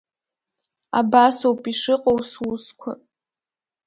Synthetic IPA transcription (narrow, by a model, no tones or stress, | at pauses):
a̰basowpʼiʂɨqʼowswuskʷʰa̰